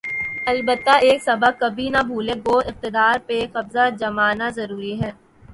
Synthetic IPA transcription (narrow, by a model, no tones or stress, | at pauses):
ɐlbət̪ːaeːksɐbəkɐbʱinabʱuːlẽɡoːɪq̚t̪ɪd̪aːɾpexɐbzad͡ʒɐmaːnazɐɾuːɾiɦɛː